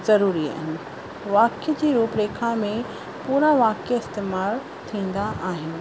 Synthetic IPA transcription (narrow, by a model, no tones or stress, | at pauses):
zɐɾuːɾia̰ːɦɪnɪ̆ | ʋaːkjəd͡ʑiːɾuːpɾeːkʰamẽ | puːɾaʋaːkjɪst̪eːmaːɭ | t̪ʰĩːn̆d̪aʔaːɦɪnɪ̆